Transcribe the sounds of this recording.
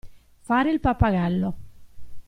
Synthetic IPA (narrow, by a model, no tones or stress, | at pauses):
faːɾeilpapːaɣalːo